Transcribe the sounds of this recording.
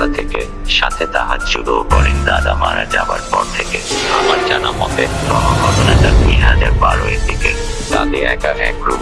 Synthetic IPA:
at̪ʰeke | ʃat̪ʰet̪aɦat̪ʃulokɔɾind̪ad̪amaɾad͡ʑabaɾpɔɾt̪ʰekeamaɾd͡ʑanamɔt̪eɔɦoɦɔd̪onet̪aɾmiɦad̪eɾbaɾoed̪iket̪ad̪eɛkaɛkɾu

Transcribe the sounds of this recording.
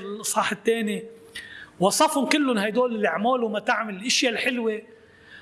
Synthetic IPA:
ɪlʔɑsˤɑːħɪt̪ːeːni | wɑsˤɑfhʊnkɪlːʊnhajd̪oːlɪlʔɪʕmoːlumat̪aʕmɪlɪlʔɪʃjalħɪlwe

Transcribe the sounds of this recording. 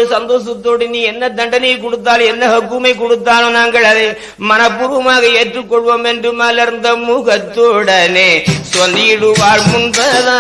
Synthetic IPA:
ɯsɐnd̪oːsɐt̪ːoːɽiniːɛnːɐd̪ɐɳɖɐnɐkɔɽɯt̪̬ːaːlɛnːɐɦɐkːumɐɪkɔɽɯt̪ːaːnõnaːŋɡɐɭɐðɐɪ | mɐnɐpːuːɾʋɐmaːɣɐeːʈrɯkːɔɭʋɐmendrɯmɐlɐɾɯnd̪ɐmuɣɐt̪ːoːɽɐneːsʋɐnd̪iɽuʋaːɻmunt̪ɐða

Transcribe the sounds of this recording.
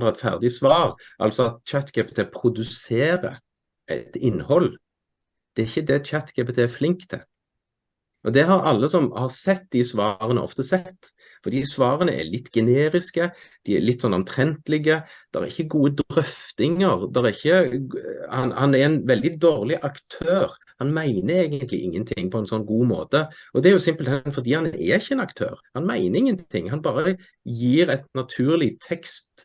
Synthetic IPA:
ɑɛt̪fæ̰ʁd̪ɪsʋɑːɾʔɑ̰lsɔt̪̚t͡ʃæt̪kɛpət̪ʰepʰɾʊd̪ʉseːɾə̰ | ɛ̰t̪ɪnːhɔlː | d̪̥ɛæɾɪçːəd̪ɛt͡ʃæt̪kɛpət̪ʰeæflɪŋkt̪ʰːɪ̰ | ʔɔd̪ɛɦɑɾɑlːəsɔmhɑʁsɛt̪̚ːd̪ɪsʋɑːɾənə̰ʔɔ̰ft̪əsɛt̪ː | fɔɾd̪iːsʋɑːɾənə̰ʔɛ̰lɪt̪ːɡ̥ɛneːɾɪskəd̪̥iɛ̰ɭɪt̪ːsɔnɔmt̪ʰɾɛnt̪əlɪɡəd̪̥ɛʁæ̰ɾɪçːəɡuːəd̪ɾœft̪ɪŋəʁd̪ɛɾæɾɪçːə | hɑnhɑnɛɾɛnʋɛld̪ɪd̪oːʁlɪʔɑkt̪ʰøːɾ | hɑnmæɪnəɾeːɡənt̪lɪ̰ʔɪ̰ŋːənt̪ʰɪŋːpʰɔɛnsɔnːɡuːmo̰ːt̪əʔɔd̪ɛæɾjʊsɪmpəlt̪ʰɛnfɔʁd̪iːhɑnʔɛ̰ɾɪçːəɛːnɑkt̪ʰø̰ːɾhɑnmæɪnəɾɪŋːənt̪ʰɪ̰ŋːhɑnbɑːɾə | jiːɾɛɪt̪nɑt̪ʰʉːɾlɪt̪ʰɛkst̪

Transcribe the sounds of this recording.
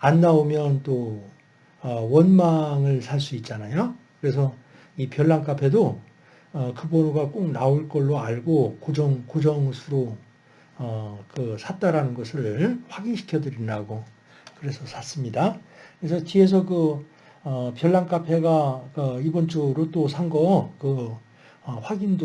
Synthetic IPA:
anːaomjʌnt͈o | ʌwʌnmaŋɯɭsʰaɭs͈uit̚t͡ɕ͈anajokɯɾe̞sʰʌ | ipjʌɭːaŋk͈apʰe̞do | ʌkɯbonuɡak͈ok̚naoɭk͈ʌɭːoaɭɡokod͡ʑʌŋkod͡ʑʌŋsʰuɾo | ʌkɯsʰat̚t͈aɾanɯnɡʌsʰɯɭɸwaɡinɕʰi̥kʰjʌdɯɾindaɡo | kɯɾe̞sʰʌsʰas͈ɯmɲidakɯɾe̞s̬ʰʌt͡ɕie̞s̬ʰʌkɯ | ʌpjʌɭːaŋk͈apʰe̞ɡak͈aibʌnt͡ɕ͈uɾot͈osʰaŋɡʌkɯ | ʌɸwaɡind

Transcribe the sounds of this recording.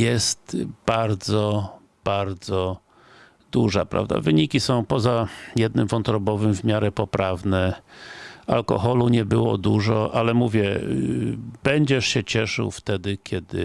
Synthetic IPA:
jɛst̪b̥aɾd̪zɔ | b̥aɾd̪zɔ | d̪uʐapɾa̰vd̪a̰vɘɲikʲisɔ̃w̃pɔzajɛd̪nɘmvɔnt̪ɾɔbɔvɘmvmʲjaɾɛpɔpɾavnɛ | a̰lkɔ̰xɔluɲɛbɘwɔ̰d̪uʐɔʔalɛmuvʲjɛ | bɛɲd͡ʑɛʂɕɛt͡ɕɛʂɘwft̪ɛd̪ɘkʲʰɛd̪ɘ̰

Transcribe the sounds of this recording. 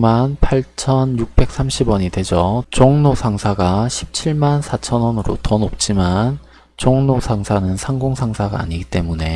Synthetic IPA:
manpʰaɭt͡ɕʰʌnjuk̚p͈e̞k̚s͈amɕʰibwʌɲidwe̞d͡ʑʌt͡ɕʌŋnosʰaŋsʰaɡaɕʰi̥p̚t͡ɕʰiɭmansʰat͡ɕʰʌnwʌnɯɾo̰tʌnop̚t͡ɕ͈iman | t͡ɕʌŋnosʰaŋsʰanɯnsʰaŋɡoŋsʰaŋsʰaɡa̰a̰ɲiɡit͈e̞mune̞

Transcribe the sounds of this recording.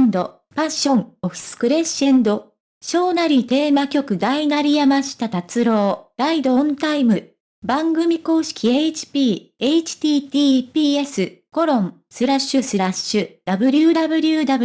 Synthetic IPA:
nd̪o̞ | pãɕõ̞ŋoɸɯ̥sɨ̥kɯ̟ɾe̞ɕẽ̞nd̪o̞ | ɕo̞ːnaɾʲit̪e̞ːmakʲo̞kɯ̟d̪ainaɾʲijamaɕi̥t̪at̪at͡sɨɾo̞ːɾaid̪õ̞nt̪aimɯ̟ | bãŋɡɯ̟mʲiko̞ːɕi̥kʲiet͡ɕi̥pʲiː | e̞it͡ɕi̥t̪ʲiːt̪iːpʲiːe̞sɨko̞ɾõ̞ŋ | sɨɾaɕːɨsɨɾaɕːɨd̪̥abɯ̟ɾʲɯd̪abɯ̟ɾʲɯːd̪aɯ

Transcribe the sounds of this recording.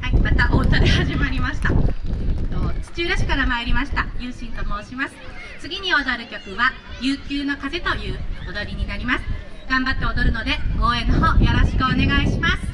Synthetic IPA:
haimat̪aʔoːt̪ad̪e̞haʑimaɾʲimaɕi̥t̪a | t̪ot͡ɕi̥t͡ɕɨːɾaɕi̥kaɾamaeɾʲimaɕi̥t̪ajɯːɕĩnt̪omo̞ːɕimasɨ̥t͡sɨɡʲiɲ̟io̞d̪aɾɯ̟kʲo̞kɯ̟βa | jɯːkʲɨːno̞kaze̞t̪o̞jɯ̟ːod̪oɾʲiɲ̟inaɾʲimasɨ̥ɡ̥ãmbat̪ːe̞o̞d̪o̞ɾɯ̟no̞d̪e̞ɡ̥o̞ːẽ̞nːoɦoːjaɾo̞ɕi̥kɯ̟one̞ɡaiɕimasɨ̥

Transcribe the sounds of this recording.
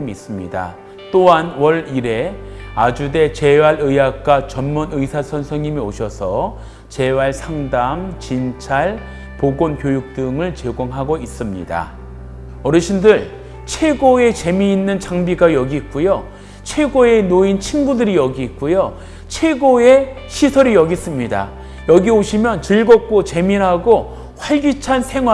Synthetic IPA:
miis͈ɯmɲida̰ | t͈oɦanwʌɾiɾe̞ad͡ʑude̞t͡ɕe̞waɾɯjak̚k͈at͡ɕʌnmunɯjsʰasʰʌnsʰʌŋɲimioɕʰʌsʰʌ | t͡ɕe̞waɭsʰaŋdamt͡ɕint͡ɕʰaɭ | poɡonkjojuk̚t͈ɯŋɯɭt͡ɕeɡoŋɦaɡois͈ɯmɲḭda̰ | ʌɾɯɕʰindɯɭ | t͡ɕʰwe̞ɡoe̞t͡ɕe̞miːnːɯnt͡ɕaŋbiɡajʌɡiːk̚k͈ujo | t͡ɕʰe̞ɡoe̞noint͡ɕʰinbudɯɾijʌɡiːk̚k͈ujo | t͡ɕʰwe̞ɡoe̞ | ɕʰisʰʌɾijʌɡis͈ɯmɲida̰ | jʌɡioɕʰimjʌnt͡ɕɯɭɡʌk̚k͈ot͡ɕe̞miɾɦaɡo | ɸwaɭɡjit͡ɕʰansʰe̞ŋɦwa

